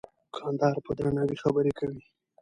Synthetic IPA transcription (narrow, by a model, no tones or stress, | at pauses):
kʰɑnd̪ɑɾpəd̪ɾanawixabəɾekʰawi